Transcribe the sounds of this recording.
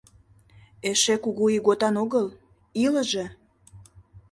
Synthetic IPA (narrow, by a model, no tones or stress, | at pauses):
eʃekuɣuiɣot̪ɑnoɣəl | iləʒe